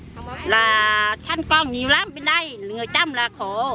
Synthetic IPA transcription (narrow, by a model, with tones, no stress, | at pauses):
laː˨˩t͡ɕʰa˧nkɔː˧˩ŋɲi˨˦wlaː˧˥mɓe˧˩nɗa˧˩jŋɨ˨˩əjt̪a˧mlaː˨˩kʰɔ˧˩˦